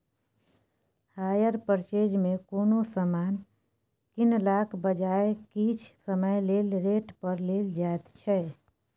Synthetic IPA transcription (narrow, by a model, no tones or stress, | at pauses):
haːjəɾpəɾt͡ʃeːd͡ʒmẽkoːnosəmaːn | kɪnlaːkʰbəd͡ʒaːekit͡ʃʰsəməjleːlɾeːʈpəɾleːld͡ʒaːet̪t͡ʃʰɛ